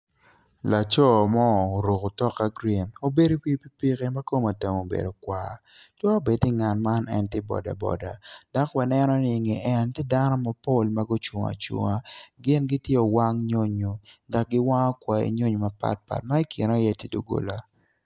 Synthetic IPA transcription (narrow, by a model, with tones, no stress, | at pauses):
la˨t͡ʃɔ˦˨mɔ˦˨o˨ɾo˨ko˨tɔ˦ka˦ɡɾi˨no˦be˦do˦pi˦pi˦pi˦ke˦ma˦ko˦ma˨te˨mo˨bḛ˨do˨kwa̰˨ | tɔ˦a˦be˨dɪ˦ŋa˨nma˦nɛ̰˦ntɛ˦bɔ̰˨da̰˨bɔ̰˨da˨da˦kwa˨nɛ˦nɔ˦nɪ˦˨ŋe˨ʔɛ˦ntɪ˦da˦nɔ˦ma˨po˦˨lma˦ɡo˦t͡ʃʊ˨ŋa̰˨t͡ʃwo̰˨ŋa˨ɡɪ˦nɡɪ˦tje˦o˨wa˦ŋɲo˦ɲo˨da˨k̚ɡɪ˦wa˦ŋɔ˦kwa˨ḭ˨ɲo˦ɲu˨ma˨pa̰˦˨t̚pa̰˨t̚ma˦i˦ki˨n˦ɔ˦jɛ˦ti˦do˦ɡo̰˨la˦